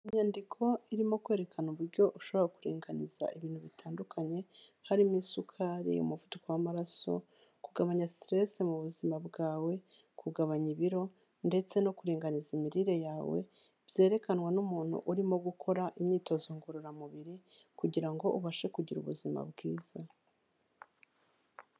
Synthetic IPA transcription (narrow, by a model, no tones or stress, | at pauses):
iɲaːndikʰo̞iɾimo̞kwe̞ːɾe̞kʰanuβuɾɟo̞ʔuʃo̞βoɾakuɾiːŋɡaniz̥a̰ʔiβiːn̥huβitʰaːndukʰaɲe̞haɾimisukʰaɾḭṵmuvutukowamaɾaso̞̰ | kuɡaβaɲastɾe̞semuβuzimabɡaːwe̞ | kʰuɡaβaɲiβiɾo̞ | nde̞t͡se̞no̞kuɾiːŋɡanizimiɾiɾe̞jaːwe̞̰ | b̥je̞ːɾe̞kanŋwanumuːn̥hṵʔuɾimo̞ɡukʰo̞ɾaʔimɲiːto̞ziŋɡuɾuɾamuβiɾi | kuɟiɾaŋɡo̞ʔuβaʃe̞kuɟiɾṵβuzima̰bɡiːz̥a